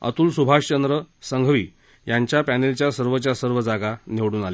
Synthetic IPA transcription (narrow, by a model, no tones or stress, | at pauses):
ə̰t̪uːlsubʱaʂt͡ɕənd̪ɾəsəŋɡʱʋiː | jaɲt͡ɕjapænelt͡ɕjasəɾʋət͡ɕjasəɾʋəd͡zaɡaneʋɽuːnale